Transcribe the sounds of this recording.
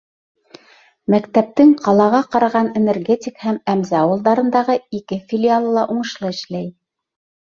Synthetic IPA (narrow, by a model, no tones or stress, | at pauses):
mækt̪æp̚t̪ɘŋqʰɑlˠɑʁɑqɑɾɑʁɑnenɘ̆rɡʲetʲɪkhæmæmzæɑwɤ̆lˠd̪ɑɾɤ̆nd̪ɑʁɤikɘfʲilʲɪalˠɤlˠɑʔuɴɤ̆ʃlˠɤɘ̆ʃlæj